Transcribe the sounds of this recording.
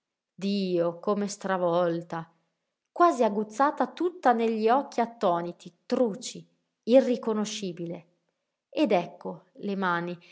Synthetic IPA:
d̪iːokomest̪ɾavɔlt̪a | kwaːziaɡːut̪sːaːt̪at̪ut̪ːaneʎːiɔk̟ːiat̪ːɔːnit̪it̪ɾuːt͡ʃːi | irːikonoʃːiːbile | ed̪ɛkːolemaːni

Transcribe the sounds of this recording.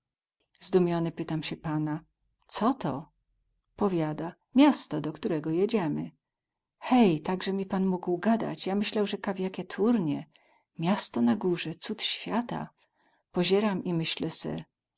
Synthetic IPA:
zd̪umʲjɔnɘpɘt̪amɕɛpana | sɔt̪ɔ | pɔvʲjad̪a | mʲjast̪ɔd̪ɔkt̪uɾɛɡɔjed͡ʑɛmɘ̰ | xɛjt̪aɡʐɛmʲipanmuɡwɡad̪a̰t͡ɕjamɘɕlawʐɛkavʲjakʲɛt̪ʰuɾɲɛ | mʲjast̪ɔnaɡuʐɛt̪sut̪ɕfʲjat̪a̰ | pɔʑɛɾamimɘɕlɛsɛ̰

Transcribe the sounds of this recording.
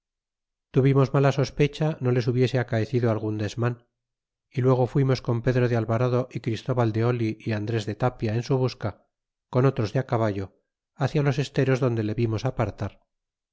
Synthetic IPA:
t̪uβimo̞zmalaso̞spe̞t͡ʃano̞le̞suβje̞se̞akaeθiðoalɣund̪e̞zman | ilwe̞ɣ̞o̞fwimo̞sko̞mpe̞ðɾo̞ðealβaɾaðo̞ʔikɾist̪o̞βald̪e̞o̞liʔiand̪ɾe̞zðe̞t̪apjae̞nsuβ̞uska | ko̞no̞t̪ɾo̞zðeakaβaʝo̞ | aθjalo̞se̞st̪e̞ɾo̞zðo̞nd̪e̞le̞βimo̞sapaɾt̪aɾ

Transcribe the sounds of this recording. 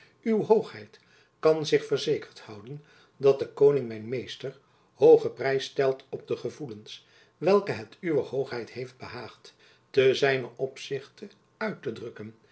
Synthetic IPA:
ywɦowχɦɛjt | kɑnzɪχfərzejkəɹthʌwdən | dɑt̚dəkownɪŋmɛjnmejstəɹ | howχəprɛjstɛlˠtɔb̚dəχəvuləns | ʋɛlˠkəɦɛtyʋəɦowχɦɛjtɦejfd̚bəɦaːχt | təzɛjnəʔɔpsɪχtə | œɥtədrɵkən

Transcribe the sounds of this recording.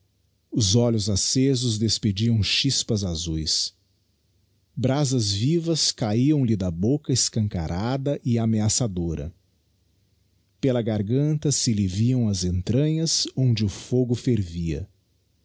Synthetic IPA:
ʊzɔlʊzasezʊzd̪esped͡ʒiɐ̃w̃ʃispɐzazujs | bɾazɐzvivɐskaiɐ̃w̃lɪd̪ɐbokɐɪskɐ̃ŋka̰ɾʔad̪ɐʔɪameasad̪oɾɐ̰ | pelɐɡaɾɡɐ̃nt̪ɐsɪliviɐ̃w̃ɐzẽnt̪ɾɐ̃ɲɐzõnd͡ʒɪʊfoɡʊfeɾviɐ̰

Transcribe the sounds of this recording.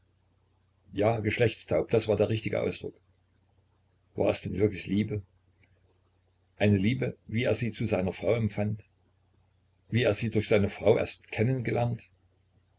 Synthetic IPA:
jaːɡəʃlɛçt͡stʰaʊp̚d̥asv̥aːɐdeːɐʁɪçtɪɡə̰ʔa̰ʊsd̥ʁʊk | va̰ːɐɛsd̥ɛnvɪɐklɪçliːbə | ʔaɪnəliːbəviːeːɐziːt͡suzaɪnɐfʁ̥aʊɛmfant | viːeːɐziːdʊɐçz̥aɪnəfʁ̥aʊʔḛɐstkʰɛnənɡəlɛɐnt

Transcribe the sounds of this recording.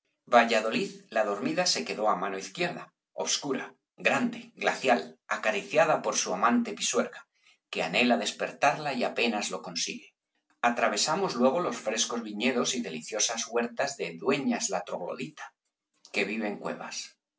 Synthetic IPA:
baʝaðo̞liðlað̞o̞ɾmiðase̞ke̞ðo̞amano̞iθkje̞ɾða | o̞̰βskuɾa | ɡɾand̪e̞ɡla̰θjalakaɾiθjaðapo̞ɾsuamãnt̪e̞piswe̞ɾɣa | ke̞ane̞laðe̞spe̞ɾt̪aɾlaiape̞nazlo̞ko̞nsḭɣe̞ | at̪ɾaβ̞e̞samo̞zlwe̞ɣ̞o̞lo̞sfɾe̞sko̞zβiɲe̞ðo̞siðe̞liθjo̞sazɣwe̞ɾt̪azðe̞ðwe̞ɲazlat̪ɾo̞̰ɣlo̰ðit̪ḁ | ke̞β̞iβ̞e̞ŋkwe̞̰βa̰s

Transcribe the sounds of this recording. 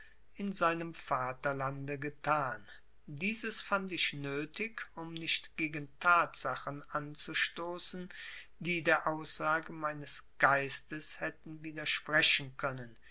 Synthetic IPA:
ʔɪnzaɪnəmfaːtɐlandəɡətʰaːn | diːzəsfantɪçnøːtɪkʊmnɪʃtɡ̥eːɡn̩tʰaːtz̥aχənʔant͡suʃtoːsn̩ | diːdeːɐʔaʊsz̥aːɡəmaɪnəsɡ̥aɪstəshɛtn̩viːdɐʃpʁ̥ɛʃn̩kʰœnən

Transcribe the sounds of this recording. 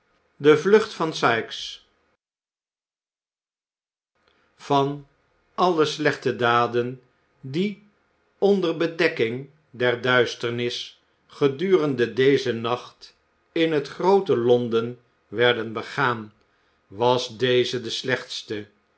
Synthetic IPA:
dəvlɵχtfɑnsɑjks | v̥ɑn | ɑlˠəslɛχtədaːdən | di | ɔndərbədɛkɪŋ | dɛɹdœɥstəɹnɪs | χədyːrəndədejzənɑχt | ɪnɦətχrowtəlɔndən | ʋɛɹdənbəχaːn | ʋɑsdejzədəslɛχtstə

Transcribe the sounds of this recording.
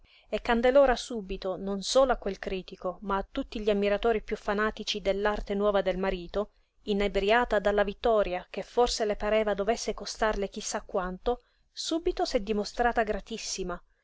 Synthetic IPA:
ekːand̪eloːɾasuːbit̪ononsoːloakːwelkɾiːt̪ikomaːt̪ːut̪ːiʎiamːiɾat̪oːɾipjufːanaːt̪it͡ʃid̪elːart̪enwɔːvad̪elmaɾiːt̪o | inabɾjaːt̪ad̪alːavit̪ːɔːɾjakefːorselepaɾɛːvad̪ovesːekost̪arlek̟isːakːwant̪o | suːbit̪osɛd̪ːimost̪ɾaːt̪aɡɾat̪isːima

